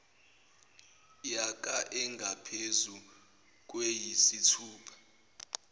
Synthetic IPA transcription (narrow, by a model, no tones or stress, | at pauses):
jak̬ʼaʔɛŋɡʱapʰezu | k̬ʼwejisitʰuːpʰḁ